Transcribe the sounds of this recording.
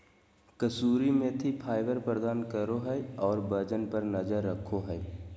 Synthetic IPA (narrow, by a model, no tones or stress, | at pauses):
kəsuːɾimẽt̪ʰipʰaːɪbəɾpɾəd̪aːnkəɾoɦɛɛɔːɾbəd͡ʒənpəɾnəd͡ʒəɾːəkʰoɦɛː